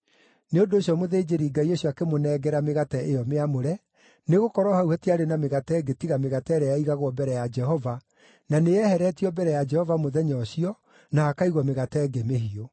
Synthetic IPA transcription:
neondoːɕjɔmoðed͡ʑeɾiːɡaioɕɔakemonɛːɡɛɾameɣatɛʔejɔmeamoɾɛ | neɣokɔɾɔhauhɛtiaɾenameɣatɛːɡetiɣameɣatɛɾɛjaiɣaɣwɔbɛɾɛjad͡ʒɛɦɔva | naneɛhɛɾɛtiɔbɛɾɛjad͡ʒɛhɔvamoðɛɲɔɕiɔ | nahakaiɣwɔmeɣatɛːɡemehio

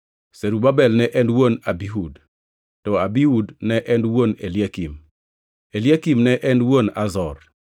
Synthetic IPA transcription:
seɾubabɛlnɛʔɛnwonabiɦud | tɔabiudnɛʔɛndwoneljakim | eljakimnɛʔɛnwonazɔr

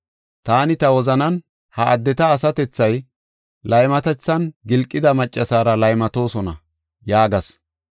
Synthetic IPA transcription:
t̪aːnɪt̪ɐwɔzɐnɐn | hɐʔɐd̪ːɛt̪ɐːsɐt̪ɛt͡sːɐj | lɐjmɐt̪ɛt͡sːɐnɡɪlkʼːɪd̪ɐmɐt͡ʃʼːɐsaːɾɐlɐjmɐt̪o̞ːsɔnɐ̰ | jaːɡɐs

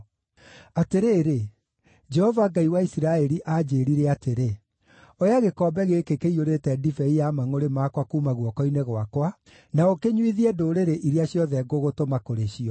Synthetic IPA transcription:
ateɾeːɾe | d͡ʒɛhɔvaːɡaiwaisiɾaɛɾiʔad͡ʑeːɾiɾeateɾe | ojaɣekɔːbɛɣeːkekeioɾetɛdifɛijamaŋoɾemaːkwakuːmaɣwɔkɔineɣoakwa | naokeɲwiðiɛdoːɾeɾeʔiɾeaɕjɔðɛɡoɣotomakoɾeɕiɔ

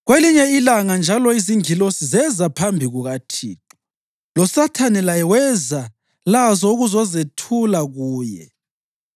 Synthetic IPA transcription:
ɣweliɲɛilaŋand͡ʒʱalɔiziŋilosizɛzapʰambʱiɣuɣatʰḭːǁɔ | lɔsatʰanɛlajɛwɛza | lazɔuɣuzɔzetʰulaɣuːjɛ̰

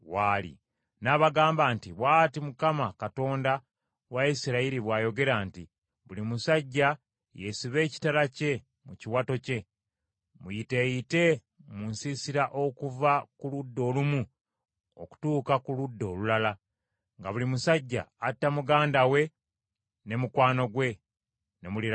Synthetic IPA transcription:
walḭ | naːβaɡaːmbaːntiβwaːtimukamakato̞ːnda | waisiɾaiɾiβwaːjo̞ɡe̞ɾaːnti | βulimusaɟːa | je̞siβe̞ːci̥talace̞ | muciwato̞ce̞ | mujite̞ːjite̞ | munsisiɾaʔo̞kuvakuludːo̞ːlumu | o̰ku̥tuːkakuludːo̞ːlulala | ŋɡaβulimusaɟːa̰ːtːamuɡaːndawe̞ | ne̞mukwaːno̞ɡwe̞ | ne̞muli

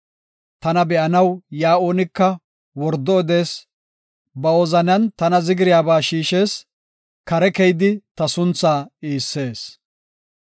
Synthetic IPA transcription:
t̪ɐnɐbɛʔɐnɐwjaːʔoːnɪkːɐ | wɔɾd̪ɔɔd̪e̞ːs | bɐɔzɐnɐnt̪ɐnɐzɪɡɪɾɪjaːbaːʃiːʃe̞ːs | kɐɾɛkɛjd̪ɪt̪ɐsʊnt͡sːaːiːsːe̞ːs

